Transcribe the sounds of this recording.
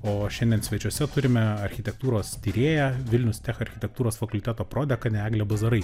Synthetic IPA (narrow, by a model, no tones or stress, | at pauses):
oːʃʲɛnʲd̪ʲɛnsʋʲɛt͡ʃʲuɔsʲɛt̪ʊɾʲɪmʲɛɐɾʲxʲɪt̪ʲɛk̚t̪uːɾoːst̪ʲiːɾʲeːjɛʋʲɪlʲnʲʊst̪ʲæːxɐɾʲxʲɪt̪ʲɛk̚t̪uːɾoːsfɐkʊlʲt̪ʲæːt̪oːpɾoːd̪ʲɛkɐnʲɛæːɡlʲɛbɐzɐɾɐɪ